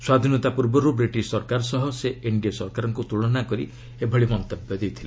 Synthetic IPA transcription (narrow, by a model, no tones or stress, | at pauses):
swad̪ʱinɔt̪apuɾbɔɾubɾiʈiʃsɔɾkaɾɔsɔɦɔseeɳɖiasɔɾkaɾɔŋkut̪uɭɔnakɔɾi | ebʱɔɭimɔnt̪ɔbjɔd̪ejt̪ʰila